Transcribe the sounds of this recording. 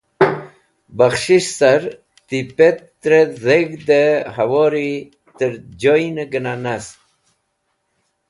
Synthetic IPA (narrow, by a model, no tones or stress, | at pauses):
baxʂiʂsaɾ | t̪ipet̪ː | ɾezeɡd̪əhawoːɾi | t̪əɾd͡ʑojnəɡənanas